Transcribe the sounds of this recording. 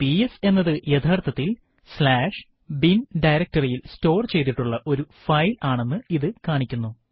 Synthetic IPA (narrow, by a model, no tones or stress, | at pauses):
piese̞nːɐðɨjet̪ʰaːrt̪ʰɐt̪ːil | slaːʂ | binɖɐjɾɐk̚ʈtɐrijilsto̞ːrt͡ɕe̞jt̪iʈːuɭːɐʔo̞ɾufɐjlaːɳe̞nːɨiðɨkaːɳikʲːunːu